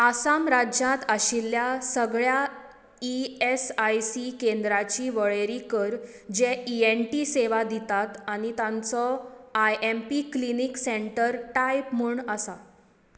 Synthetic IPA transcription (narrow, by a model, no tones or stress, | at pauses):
asamɾad͡ʑjãt̪əɕilːjasəɡɭja | iesajsikend̪ɾat͡ɕiːʋəɭeɾikəɾ | d͡ʑeienʈiseʋad̪it̪at̪añit̪ãnt͡sɔajempiklinikseɳʈəɾʈajpm̤uɳəsa